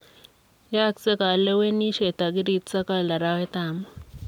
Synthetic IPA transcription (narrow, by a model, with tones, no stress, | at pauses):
ja˦˨ksɛ˦ka˨lɛ˦we˦ni˦ʃɛ˨t̪a˨ki˦ɾi˦˨tt͡sa˦ka˦˨la˨ɾa˦wɛ˦t̪aː˨ma